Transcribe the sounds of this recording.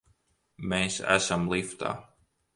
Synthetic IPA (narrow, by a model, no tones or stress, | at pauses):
meːsæ̰samlˠift̪a̰ː